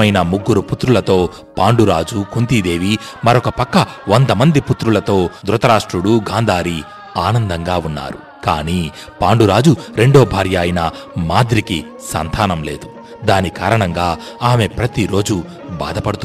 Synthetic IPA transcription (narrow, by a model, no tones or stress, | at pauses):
ɐjnɐmuɡːuɾuput̪ɾulɐt̪o̞ː | paːɳɖuɾaːd͡ʒukunt̪id̪e̞ːʋi | mɐɾokɐpɐkːɐʋond̪ɐmɐnd̪iput̪ɾulɐt̪o̞ːd̪ɾut̪ɐɾaːʂʈɾuɽuɡaːnd̪ʱaːɾi | aːnɐnd̪ɐŋɡaːunːa̰ːɾṵ | ka̰ːniː | paːɳɖuɾaːd͡ʒuɾe̞ɳɖoːbʱaːɾjaːjinɐ | maːd̪ɾiki | sɐ̰nt̪ʰaːnɐmle̞̰ːd̪u | d̪aːnikaːɾɐɳɐŋɡaː | aːme̞pɾɐt̪iɾo̞ːd͡ʒu | ba̰ːd̪ɐpɐɽut̪u